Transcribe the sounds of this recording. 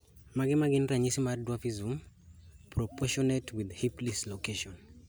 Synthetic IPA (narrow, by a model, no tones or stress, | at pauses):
maɡɪnmaɡɪnɾaɲisimadwafizum | pɾɔpʰɔʃɔnɛtʰwiðhiplislokeʃɔn